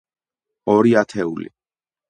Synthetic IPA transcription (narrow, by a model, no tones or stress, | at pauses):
ɔɾiat̪ʰɛulḭ